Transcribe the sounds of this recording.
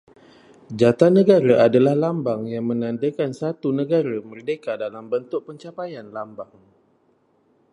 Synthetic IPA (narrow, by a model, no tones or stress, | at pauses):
d͡ʒat̪anə̃ɡaɾaʔadalahlambaŋjaŋmə̃nãnd̪akansat̪unə̃ɡaɾamərdekadalambənt̪ʊk̚pəɲt͡ʃapajanlambaŋ